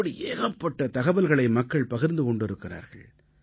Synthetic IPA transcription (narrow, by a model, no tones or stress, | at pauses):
ɐɽiʔeːɣɐpːɐʈːɐt̪ɐɣɐbɐlɣɐɭɐɪmɐkːɐɭpɐɣɪɾnd̪ɯkɔɳɖɪɾɯkːɪra̰ːɾɣɐɭ